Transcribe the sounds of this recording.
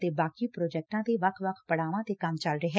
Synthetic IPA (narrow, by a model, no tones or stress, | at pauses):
t̪eːbaːkiːpɾoːd͡ʒɛk̚ʈãːt̪eːʋəkʰʋəkʰpəɽaːʋãːt̪eːkɐmt͡ʃəlɾəeɦɛ̃ː